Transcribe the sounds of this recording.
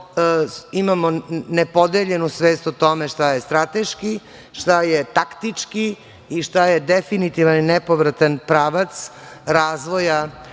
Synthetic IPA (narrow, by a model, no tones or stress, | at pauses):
imamonepod̪eʎe̞nusʋeːst̪ot̪o̞meʃt̪ajest̪ɾat̪eʃki | ʃt̪ajet̪akt̪it͡ʂki | iʃt̪ajed̪efinit̪iʋaninepoʋɾat̪anpɾaːʋat̪s | ɾaːzʋo̞ja